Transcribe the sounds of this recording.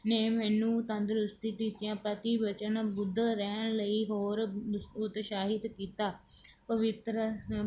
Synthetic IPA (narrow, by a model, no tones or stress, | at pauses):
nɛːmɛːnũːt̪ə̃nd̪ɾʊst̪iːʈiːt͡ʃjãːpɾət̪ibət͡ʃənbʊd̪ɾɛːnləiːɦoːɾʊt̪ʃaːɦɪd̪kiːt̪aː | pəʋɪt̪ɾə